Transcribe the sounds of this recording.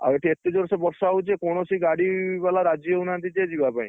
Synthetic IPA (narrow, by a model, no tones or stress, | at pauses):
a̰weʈʰiet̪ed͡ʒɔɾsebɔɾsaɦut͡ʃʰekoɽ̃ɔsiɡaɽibalaɾad͡ʒjoeunant̪id͡ʒed͡ʒibapaĩ